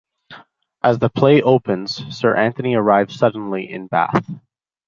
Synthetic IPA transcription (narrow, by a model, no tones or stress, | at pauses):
ʔəzðəpʰl̥eɪʔoʊpɨ̃nz̥sɜ˞ʔæ̃nθɨniə˞aɪvz̥sʌdⁿn̩liʔɪ̰̃nbæ̰θ